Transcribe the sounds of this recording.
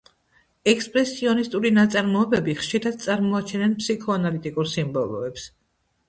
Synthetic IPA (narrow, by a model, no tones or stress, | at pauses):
ɛkspʼɾɛsiɔnist̪ʼuɾinat̪sʼaɾmɔɛbɛbiχʃiɾad̪̥̚t̪sʼaɾmɔat͡ʃʰɛnɛnpʰsikʰɔanalit̪ʼikʼuɾsimbɔlˠɔ̰ɛps